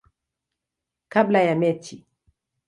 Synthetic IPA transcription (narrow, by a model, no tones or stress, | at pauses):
kablajamɛtʰi